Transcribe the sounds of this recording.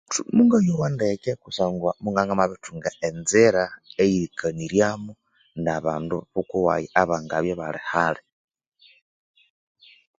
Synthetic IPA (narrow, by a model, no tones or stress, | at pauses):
tumuŋɡajowandekekusaːŋɡwamuŋɡaŋɡamaβituŋɡaenziɾaejiɾikʰaniɾjamu | naβaːnduβukuwa̰jiaβaːŋɡaβjoβalehale